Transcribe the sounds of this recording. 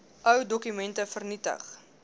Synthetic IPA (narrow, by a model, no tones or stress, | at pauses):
ʔœwdɔkymɛntəfərnitə̰χ